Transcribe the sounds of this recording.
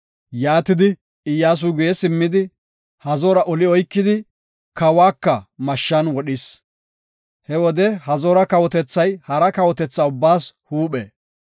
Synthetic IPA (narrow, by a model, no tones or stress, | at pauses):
jaːt̪ɪd̪ɪ | ɪjːaːs̬uɡʊjɛsɪmːɪd̪ɪ | hɐzoːɾɐʔɔlɪɔjkːɪd̪ɪ | kɐwaːkːɐmɐʃːɐnwɔɗɪs | hɛwɔd̪ɛhɐzoːɾɐkɐwɔt̪ɛt͡sːɐjhɐɾɐkɐwɔt̪ɛt͡sːaʊbːaːshuːɓɛ̰ː